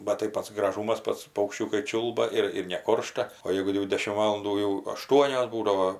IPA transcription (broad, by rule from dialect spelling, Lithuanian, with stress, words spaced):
bɐt tɐɪ ˈpɐts ɡrɐˈʒuːmɐs ˈpɐts pɐʊkʃʲˈt͡ʃʲuːkɐɪ ˈt͡ʃʲuːlˠbɐ ɪr ɪr nʲɛˈkoːrʃtɐ oː ˈjɛɪɡʊ jɛʊ ˈdʲæːʃʲɪm ˈʋɑːlˠɐnduː jɛʊ ɐˈʃtuɔnʲoːs ˈbuːdɐʋoː